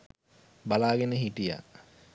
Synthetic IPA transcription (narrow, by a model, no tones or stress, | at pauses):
balaːɡenəɦiʈija̰